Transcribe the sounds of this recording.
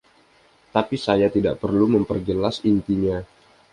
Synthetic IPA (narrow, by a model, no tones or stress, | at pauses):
t̪apisajat̪ida̰ʔpərluməmpərɡəlasint̪iɲa